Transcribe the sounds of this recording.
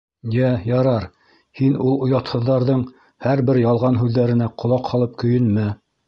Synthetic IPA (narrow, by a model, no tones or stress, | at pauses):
jæjɑɾɑɾ | hinulˠŏjɑt̪hɤ̆ðːɑɾðɤɴ | hæɾbɘɾjɑlˠʁɑnɦʉðːæɾɘ̆næqʰŏlˠɑqhɑlˠɤp̚kɵ̆jɵ̆nmæ